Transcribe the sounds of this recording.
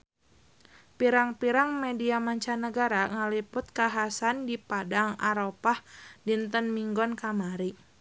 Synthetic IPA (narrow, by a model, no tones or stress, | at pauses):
piɾaŋpiɾaŋmediamaɲt͡ʃanəɡaɾaŋalipʊt̪̚kaɦasandipadaŋaɾopahdint̪ənmiŋɡɔnkamaɾi